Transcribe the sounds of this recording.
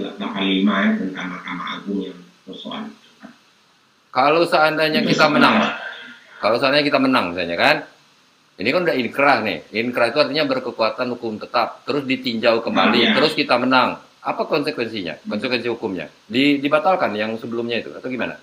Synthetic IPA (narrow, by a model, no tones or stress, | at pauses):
lalapalimajat̪ənt̪aŋmakamaaɡʊŋjaŋ | pəsoa̰nit̪ukan | kalowsəandaɲakit̪amənaŋ | kalowsəandaɲakit̪amənaŋmisalɲakan | inikanudahiŋkəɾahnɪ̰hinkəɾahit̪uart̪iɲabərkəkuat̪anhukʊmt̪ət̪ap̚t̪əɾʊsdit̪iɲd͡ʒaukəmba̰liəɾʊskit̪amənaŋ | apakɔnsəkwɛnsiɲa̰kɔnsəkwɛnsihukʊmɲa̰ | didibat̪alkanjaŋsəbəlʊmɲait̪ṵa̰t̪awɡimana̰